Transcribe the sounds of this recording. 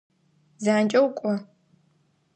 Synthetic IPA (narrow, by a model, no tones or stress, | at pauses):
zaːnt͡ʃʼɐwkʷʼɔ